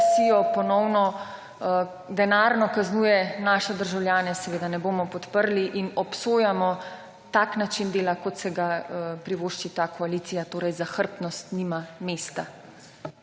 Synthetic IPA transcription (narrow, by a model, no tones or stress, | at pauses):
sijɔpɔnɔwnɔ | d̪ɛnaːɾnɔkaznuːjɛnaːʃɛd̪əɾʒawlʲjaːnɛsɛʋeːd̪anɛboːmɔpɔt̪pəɾliʔinɔpsoːjamɔ | t̪aknat͡ʃind̪eːlakɔt̪sɛɡaəpɾiʋoːʃt͡ʃit̪aːkʰɔaliːt̪sijat̪oːɾɛjzaxəɾpnɔst̪nimameːst̪a